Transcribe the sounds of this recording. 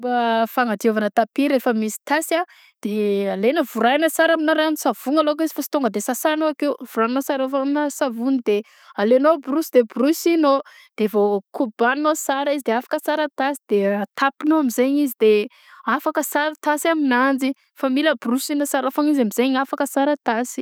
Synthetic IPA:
bafaŋad̪ievanət̪apiɾefəmisi̥t̪asa | d̪̥ealenəvuɾajnəsaɾaminaɾanisav̥uŋalok̬izi̥fasi̥t̪oŋɡəd̪esasanoakewv̥uɾannosaɾafaminəsavunid̪e | alenobrusid̪ebrusino | d̪̥evokubannosaɾizid̪eafḁkəsaɾət̪asid̪eat̪ʰapinoamizeɲizid̪e | afakəsaɾət̪asaminand͡zi | familəbrusinəsaɾafaɲizamizeɲafakəsaɾət̪asi̥

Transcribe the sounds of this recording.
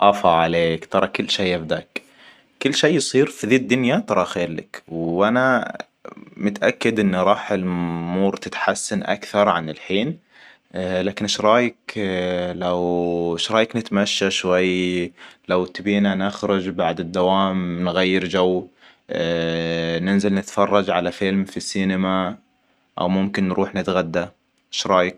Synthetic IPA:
ʔɑfɑʕaleːkt̪ɑɾˤɑkʊlːʃeːʔabd̪aːkː | ʊlːʃeːjsˤiːɾfiðiːd̪ːʊnjat̪ɑɾˤɑxeːɾla̰kwʔana | mʊt̪ʔakːad̪ʔɪnːɾˤɑːħɪlmuːɾt̪ɪt̪ħasːanʔa̰kθɑɾˤʕanɪlħiːn | laːkɪnɪʃɾˤɑːjɪk | lawʃɾˤɑːjɪknɪt̪maʃːaʃwajː | lawt̪biːnanɪxɾʊd͡ʒbaʕd̪ɪd̪ːawaːmnɣajːɪɾd͡ʒawː | nɪnzɪlnɪt̪fɑrˤːɑd͡ʒʕalafɪlmfisːiːnɪma | ʔa̰wmʊmkɪnːɾʔuːħnɪt̪ɣad̪ːa | ʔʃɾˤɑːjɪk̚

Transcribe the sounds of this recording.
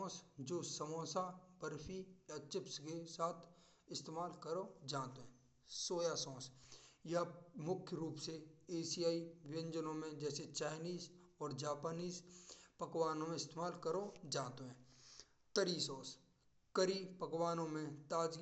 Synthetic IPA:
sd͡ʒoːsɐmɔ̃ːsabəɾpʰijɐt͡ʃɪpskesaːt̪ʰ | ɪst̪eːmaːlkəɾod͡ʒãːt̪oɦɛ̃ | soːjasɔ̃ːsjɐmʊkʰjəɾuːpseeːsijaːiʋɪə̃ɲd͡ʒənõmẽd͡ʒɛːset͡ʃaːɪniːzɔːɾd͡ʒaːpaːniːzpɐkwaːnõmẽɪst̪eːmaːlkəɾod͡ʒaːt̪oɦɛ̃ː | t̪əɾiːsɔ̃ːs | kəɾipɐkwaːnõmẽt̪aːd͡ʒ

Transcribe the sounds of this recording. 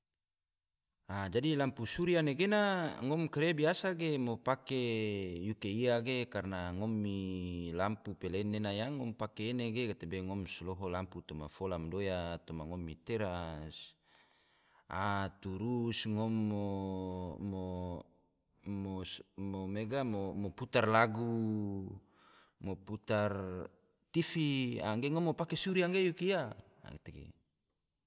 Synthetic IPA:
ad͡ʒadilampusuɾianeɡenaŋɔmkaɾeabiasaɡemopakejukeiaɡekarnaŋɔmːilampupelenːenajaŋɔmpakeːneɡekat̪ebeŋɔmslɔɦɔlamput̪ɔmafɔlamdojat̪ɔmaŋɔmːit̪eɾas | a̰t̪uɾusŋɔmːo | mo | momomeɡamomɔput̪arlaɡu | mɔput̪ar | t̪ifia̰ŋɡeŋɔmːopakesuɾiaŋɡejukia̰ | ket̪eɡḛ

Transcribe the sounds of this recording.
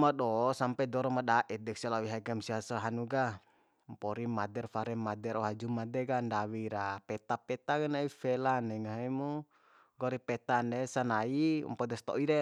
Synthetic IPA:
maɗɔsampɛdɔɾɔmadaʔɛt̪̚dɛksialawiɦaɡamsiasaɦanuɡa | mpɔɾimadɛrfaɾɛmadɛɾɔɦad͡ʒumadɛɡandawiɾapɛt̪apɛt̪aɡanaifɛlanɛŋaɦimu | ɡɔɾipɛt̪andɛsanaḭmpɔd̪ɛst̪ɔ̰ʔiɾɛ

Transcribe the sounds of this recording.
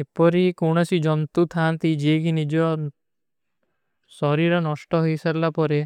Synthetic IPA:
epɔɾikoɽ̃ɔsid͡ʒɔnt̪ut̪ʰant̪id͡ʒiːkinid͡ʒɔ | sɔɾiɾɔnɔsʈɔɦojsaɾlapɔɾe

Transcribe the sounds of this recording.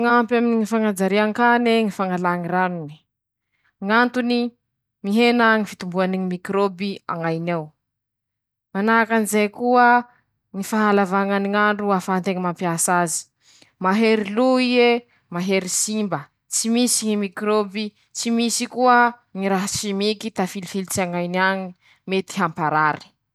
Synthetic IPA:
ŋampjaminiŋifaŋad͡zaɾiaŋkaneŋifaŋalaŋiɾanuni̥ | ŋant̪uni | miɦenaŋifit̪umbuaniŋimikɾobia̰ŋajnaw | manaakanizejkuə | ŋifaɦalavaŋaniŋaɳɖ͡ʐuafaant̪eŋimampiasazi̥ | maɦeɾiluie | maɦeɾisimbə | t͡simisiŋimikɾobi | t͡simisikuə | ŋiɾaɦasimikit̪afilifilit͡saŋajnaŋi | met̪i̥ɦampaɾaɾi̥

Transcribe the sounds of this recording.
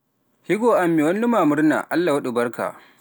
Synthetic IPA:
hiɡoːʔamːiːwɐnːʊmaːmʊrna̰ːʔalːawɐɗʊbɐrka̰ʔ

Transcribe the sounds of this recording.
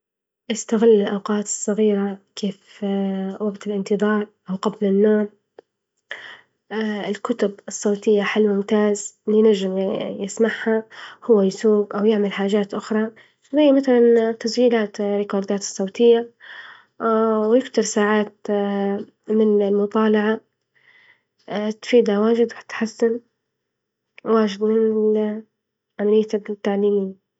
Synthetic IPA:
ʔɪst̪aɣɪlːɪlʔawqɑːt̪ɨ̥sˤːɑɣiːɾakʰeːf | waɡt̪ɪlʔɪnt̪ɨðˤɑːɾˤʔawqablɪnːoːɾ | ɪlkʊt̪ʊbɨsˤːɑːt̪ɪjːaħɪlwʊmt̪aːzɪlijnaʒːɪmjɪsmaʕhahʊwːajsuːɡʔawjɪʕmalħaːʒaːt̪ʔʊxɾˤɑ | zajːmaθalant̪ːasd͡ʒiːlaːt̪ɾɪkoːɾˤd̪aːt̪ɨ̥sˤːɑwt̪ɪjːa | wjɪft̪ɪɾˤsaːʕaːt̪̚ | mɪnɪlmʊt̪ˤɑːlɑʕa | t̪fiːd̪awaːʒɪd̪wħt̪ħasːan | waːʒɪd̪mɪn | ʕamalɪjːat̪ːaʕliːmiːn

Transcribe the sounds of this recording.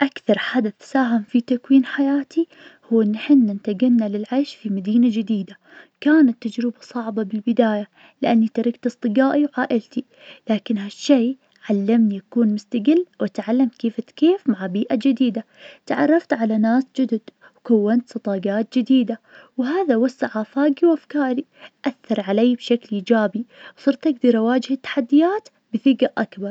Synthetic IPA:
ʔakθɑɾˤħad̪aθsaːɦɪmfit̪akwiːnħajaːt̪ʰi | huːʔɪnːaħɪnːant̪aɡanːalɪlʕaːʃfimad̪iːnad͡ʒɪd̪iːd̪a | kaːnat̪ːad͡ʒɾɪbasˤɑʕbɑbɪlbɪd̪aːja | lɪʔanːit̪ɑɾɪɡt̪ɨsˤt̪ˤɨɡaːʔiwʕaːʔɪlt̪i | laːkɪnɦaʃːej | ʕalːamnijakuːnmʊst̪aɡɪlːwʔat̪ʕalːamt̪keːfɪt̪keːfmaʕbiːʔad͡ʒɪd̪iːd̪a | t̪ʕɑ̰rˤːɑft̪ʕalanaːsd͡ʒʊd̪ɪd̪ | wkawːant̪sˤɑt̪ˤɑːɡaːt̪̚d͡ʒɪd̪iːd̪a | wɦaːðawasːaʕaːfaːɡiwʔafkaːɾi | ʔaθːɑɾˤʕaleːbʃaklʔiːd͡ʒaːbiwsˤɨɾt̪ʔaɡd̪ɑɾˤawaːd͡ʒhɪt̪ːḁħad̪ːɪjaːt̪ | bɪθɪɡaʔakbɑɾˤ

